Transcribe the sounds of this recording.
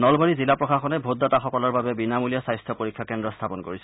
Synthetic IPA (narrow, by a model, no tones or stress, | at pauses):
nɔlbaɹizilapɹɔxaxɔnɛbʱodːɔtaxɔkɔlɔɹbabɛbinamulijasajstʰɔpoɹikʰːjakɛndɹɔst̪ʰapɔnkoɹisɛ